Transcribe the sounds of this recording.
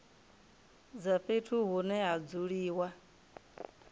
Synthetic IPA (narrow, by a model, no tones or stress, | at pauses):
d͡zaɸetʰuɣunɛad͡zuɺiwa